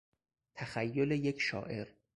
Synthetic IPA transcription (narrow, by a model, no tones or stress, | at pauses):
t̪ʰæxæjːolejekʰʃɒ̰ːʔe̞ɾ